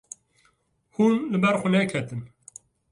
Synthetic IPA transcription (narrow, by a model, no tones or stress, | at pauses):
huːnlɨbɛɾxʊnɛkʰɛt̪ɨn